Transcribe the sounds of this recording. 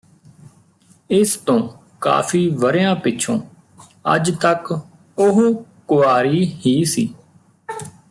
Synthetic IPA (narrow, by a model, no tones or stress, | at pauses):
ɪst̪õː | ka̰ːfʰiːʋəɾejãːpɪtːt͡ʃʰõ̰ː | ə̰d͡ʒt̪ək | ʊɦoːkʊaːɾiːhiːsḭː